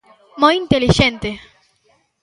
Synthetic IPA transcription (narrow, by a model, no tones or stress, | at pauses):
mojint̪eliʃẽnt̪e